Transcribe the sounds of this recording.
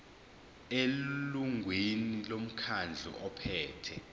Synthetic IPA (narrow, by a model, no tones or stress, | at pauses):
eluŋɡʱwenilom̩kʰand͡ɮʱṵʔɔpʰɛːtʰɛ